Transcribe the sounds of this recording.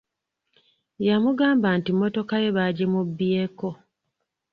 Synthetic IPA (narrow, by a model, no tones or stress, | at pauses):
jamuɡaːmbaːntimːo̞to̞kaje̞βaɟe̞mubːjeːko̞